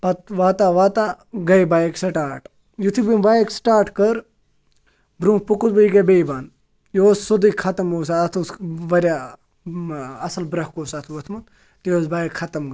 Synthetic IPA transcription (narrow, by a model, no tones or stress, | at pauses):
pɐt̪ʋaːt̪aːʋaːt̪a | ɡɐjbaːjeksɐʈaːɾʈ | jut̪ʰibinbaːjeksʈaːɾʈkɐɾ | bɾũːpukut̪bɐiɡɐbejbaːn | joːssud̪ikʰɐt̪ɐmoːsaɐt̪ʰusʋɐɾja | ɐsɐlbɾɐhkoːsɐt̪ʰuʋɐt̪ʰmun | t̪ijoːzbaːjekʰɐt̪ɐmɡ